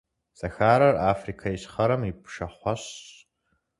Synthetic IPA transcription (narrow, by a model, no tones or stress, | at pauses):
sʼɐxaːɾɐraːfrikʰaiɕχɐɾɐmipʰʂɐχʷaɕ